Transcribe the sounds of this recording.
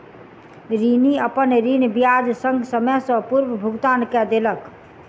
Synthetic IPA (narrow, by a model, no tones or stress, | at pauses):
ɾiniəpənɾinbijad͡ʒsəŋɡsəmɛsə̃puɾʋəbʱuɡt̪ankɛd̪elək